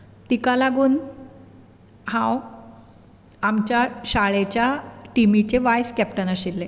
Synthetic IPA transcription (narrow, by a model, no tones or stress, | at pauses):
t̪ikalaɡuːn | hãw | amt͡ɕjaɕaɭet͡ɕjaʈimit͡ɕeʋajskɛpʈənəɕilːe